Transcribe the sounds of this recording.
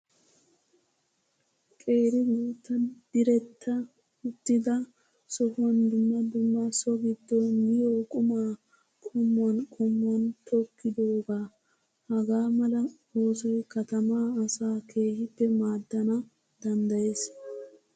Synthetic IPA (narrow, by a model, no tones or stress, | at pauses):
kʼe̞ːɾɪɡuːt̪ːɐnd̪̥ɪɾɛt̪ʰːɐ | ʊt̪ːɪd̪ɐ | sɔhwɔnd̪ʊmːɐd̪ʊmːɐsɔɡɪd̪ːɔmɪjoːkʼʊmaː | kʼʊmːɔnkʼʊmːɔnt̪ʰɔkːɪd̪oːɡaː | hɐɡaːmɐlɐ | o̞ːsɔjkɐt̪ɐmaːɐsaːkʰe̞ːhɪpːɛmaːd̪ːɐnɐ | d̪̥ɐnd̪ɐje̞ːs